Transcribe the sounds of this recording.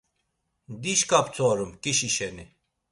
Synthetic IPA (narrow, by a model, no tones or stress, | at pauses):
d̪iɕkap̚t͡sʰoːɾumkiɕiɕeni